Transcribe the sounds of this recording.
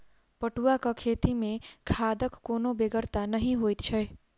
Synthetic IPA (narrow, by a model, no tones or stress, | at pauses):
pəʈuakəkʰet̪imẽkʰad̪əkːonobeɡəɾt̪anəɦĩɦojt̪t͡ʃʰəj